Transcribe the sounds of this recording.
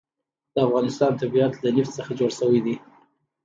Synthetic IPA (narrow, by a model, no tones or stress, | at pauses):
d̪̥əafɣɑnɪst̪ɑnt̪abiat̪lanɪft͡səxad͡ʒoɽsəwəjd̪i